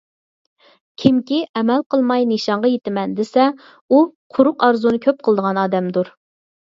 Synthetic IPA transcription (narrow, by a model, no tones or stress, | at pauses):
kʲʰimkʲiʔɛmɛlqʰəlˠmɑjnɨʃɑɴʁɑjet̪ɪmɛnd̪esɛ | uqʰʊɾʊqɑɾzunɨkʲʰøp̚qʰəlˠd̪əʁɑnɑːd̪ɛmd̪uɾ